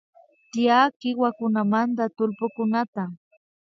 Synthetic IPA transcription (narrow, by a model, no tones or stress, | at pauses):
t̪ɪjakɪwakʊnamant̪at̪ʊlpʊkʊnat̪a